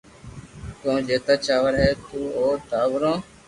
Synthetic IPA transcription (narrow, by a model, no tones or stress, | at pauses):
k̪õːd͡ʒeːt̪aːt͡ʃaːʋəɾɦeːt̪uːoːt̪aːʋɾõː